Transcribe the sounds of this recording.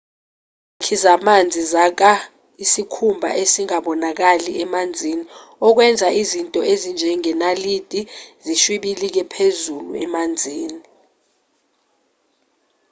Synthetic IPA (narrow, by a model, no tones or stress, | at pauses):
kʰizamand͡zʱizak̬a | isikʰumbʱa̰ʔesiŋaɓɔnak̬aliɛmand͡zʱiːniɔk̬wɛnd͡zʱaʔizintʼɔʔezind͡ʒʱɛŋɛnalid̥ʱʼiziʃwiɓilik̬ɛpʰezulṵɛ̰mand͡zʱiːni